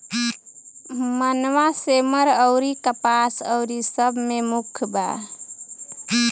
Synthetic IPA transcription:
mənʋaseməɾəʊɾikəpasəʊɾisəbʱmemukʰba̰

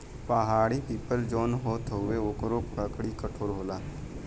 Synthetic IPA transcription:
pəɦaːɽipiːpəɾd͡ʒoːnɦoːt̪ɦʊeoːkɾoːpkakɽikəʈʰoːɾɦoːlaː

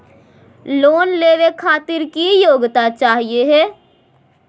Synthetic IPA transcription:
loːnleːʋekʰaːt̪ɪɾkijoːɡt̪at͡ʃaːɦieɦɛː

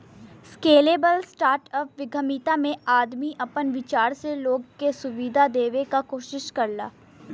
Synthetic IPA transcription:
skeːleːbəlsʈaːɾʈɔːpʋɪɡʱəmiːt̪amẽaːd̪miʔɐpənʋɪt͡ʃaːɾseloːɡkesʊʋid̪ʱad̪eːʋekakoːʃɪʃkɐɾla̰ː

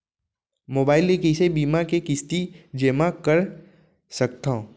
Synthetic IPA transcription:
moːbaːɪlekisebiːmakekɪst̪id͡ʒeːmakɐɾ | sɐk̚t̪ã

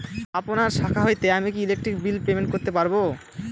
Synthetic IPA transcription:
aponaɾʃakʰaɦojt̪eamik̬iilek̚ʈɾik̚bilpemeɳʈ̚koɾt̪epaɾbo

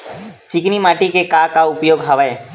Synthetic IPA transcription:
t͡ʃɪknimaːʈikekakaʊpjoːɡɦəʋəe

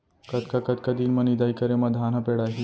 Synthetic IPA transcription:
kət̪kakət̪kad̪iːnmənid̪ajkəɾemɐd̪ʱanapeɽaɦi

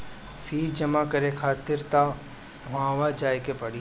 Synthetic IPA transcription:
fʰiːɾd͡ʒɐmakɐɾekʰaːt̪ɪɾt̪a | ɦãːʋad͡ʒaːjkepɐɽi

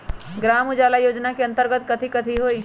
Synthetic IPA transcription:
ɡɾaːmʊd͡ʒaːlajoːd͡ʒnakiɐ̃nt̪əɾɡət̪kɐt̪ʰikɐt̪ʰiɦoːiː

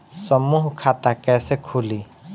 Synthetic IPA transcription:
səmuːɦkʰaːt̪akɛːsekʰuliː

